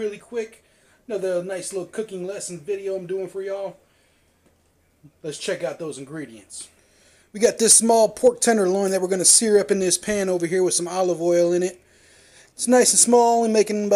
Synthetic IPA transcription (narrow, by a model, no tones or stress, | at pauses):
ɪlˠikʰw̥ɪk | nʌʊðə˞naɪslɪɾl̩ˠkʰʊkɪ̃ŋlɛsn̩vɪɾioʊãɪ̃mdʉɪ̃ŋfə˞jɨɔlˠ | lɨtst͡ʃʰɛkaʊt̪̚ðoʊzɨ̃n̩ɡɹiɾiɨ̃nts | wiɡɑt̪̚ðɪsmɔlˠpʰɔɹk̚tʰɛ̃nə˞lɔ̃ɪ̃nðɨt̚wɨ˞ɡʌnɨsɪɹʌpɨ̃nðɪspʰæ̃noʊvə˞ɦiɹwɨð̥sʌ̃mɑlˠəvɔɪlˠɪ̃ñɪt̚ | ɪtsnaɪsn̩smɔlˠɨ̃meɪkɪ̃ŋ̃